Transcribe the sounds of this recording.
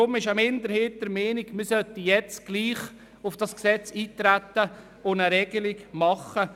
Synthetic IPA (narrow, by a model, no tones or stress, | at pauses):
ʊmɪʃamɪnd̪əɾhɪːt̚dəɾmeːnɪɡmɪɾsœtəjɛt͡sɡ̥liːχ | ʊfd̥ɑsksɛt͡siːt̪ɾætːə | ʊnəɾɛɡ̥əlɪɡmɑχə